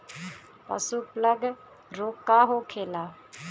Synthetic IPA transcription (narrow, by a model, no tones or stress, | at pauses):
pɐ̰supləɡ | ɾoːkːaːɦokʰeːlaː